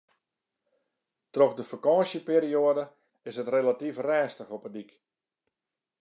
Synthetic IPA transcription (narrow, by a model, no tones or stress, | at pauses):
trɔxdəfakɔ̃ːsjəpiːɾioədə | ɪsətrelatifrɛːstəxɔpədik